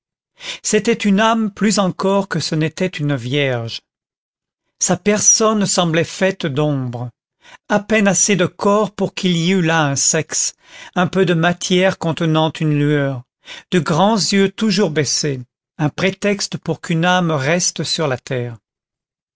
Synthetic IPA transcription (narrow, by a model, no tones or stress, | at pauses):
set̪ɛt̪ynamplyzɑ̃kɔʁkəsənet̪ɛt̪ynvjɛʁʒ | sapɛʁsɔnsɑ̃blɛfɛt̪d̪ɔ̃bʁə | apɛnased̪əkɔʁpuʁkiliylaɛ̃sɛks | ɛ̃pød̪əmat̪ʰjɛʁkɔ̃t̪ənɑ̃t̪ynlyœːʁ | d̪əɡʁɑ̃zjøt̪uʒuʁbese | ɛ̃pχet̪ɛkst̪əpuʁkʰynamʁɛst̪əsyʁlat̪ɛːʁ